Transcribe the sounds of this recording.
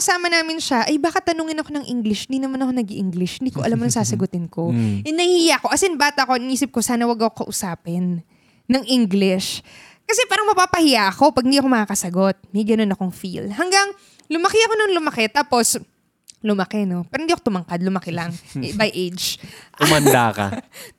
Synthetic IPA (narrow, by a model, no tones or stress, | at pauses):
ɐsaːmɐnaːmɪnʃɐʔɐjbaːkɪt̪ːɐnoːŋɪnɐko̞nɐŋʔiŋɡlɪʃhɪnd̪iːnɐmanɐkonɐɡɪʔɪŋɡlɪʃhɪnd̪iːkoʔɐlamnɐŋsaːsɐɡʊt̪ɪnko̞ʔɛnɐhɪjako̞ʔɐsɛnbaːt̪ɐʔkoʔɪniːsɪp̚ko̞saːnɐwɐɡɐkokɐʔʊsaːpɪnː | ɐŋʔiŋɡlɪʃ | kɐsɛpaːɾɐŋmɐpaːpɐhɪjaʔɐko̞pɐɡ̚hɪniʔɐko̞mɐkaːkɐsɐɡo̞t̪̚mɐjɡɐno̞nɐko̞ŋfḭlhɐŋɡɐŋ | lʊmɐkɪɐko̞nʊŋlʊmɐkɛt̪aːpo̞s | lʊmɐkɛno̞pɛːɾohnd̪iːɐkot̪ʊmɐŋkad̪̚lʊmɐkɛlɐŋbɐjʔejd͡ʒʊmɐnd̪a̰kɐ̰